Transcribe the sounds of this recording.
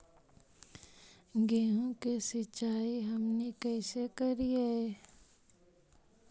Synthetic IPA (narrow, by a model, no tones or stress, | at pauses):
ɡeːɦõkesɪt͡ʃaːiɦɐmnekɛːsekəɾiaeː